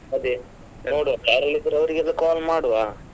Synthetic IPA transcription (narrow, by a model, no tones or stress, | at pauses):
ɐd̪i | noːɽuʋapaːɾɐlid̪ːɐɾeɐʋɐɾiɡɛlːɐkaːlmaːɽuʋaː